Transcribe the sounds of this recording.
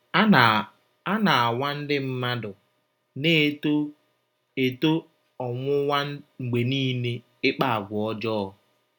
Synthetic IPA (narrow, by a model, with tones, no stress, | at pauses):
a˦na˨a˨wa˦n̩˦dɪ˦m̩˦ma˦dʊ˨ | ne˦ | e˨to˦ | ɔ˨ŋʷʊ˦wa˦ŋ͡m̩˨ɡ͡be˨niː˦ne˦ | ɪ˦k͡pa˦a˨ɡʷʊ˨ɔ˦d͡ʒɔː˦˨